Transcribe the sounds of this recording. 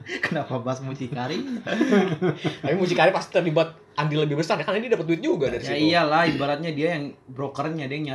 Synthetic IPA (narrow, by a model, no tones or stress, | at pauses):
kənapabasmut͡ʃikaɾi | t̪apimut͡ʃikaɾɪpast̪i̥t̪ərlibat̪̚ | ʔandiləbɪhbəsarjakarnadiadapət̪̬̚wɪt̪̚d͡ʒuɡadaɾijsaiijalahibaɾat̪̚ɲadiajaŋbɾokərɲadiaŋɲa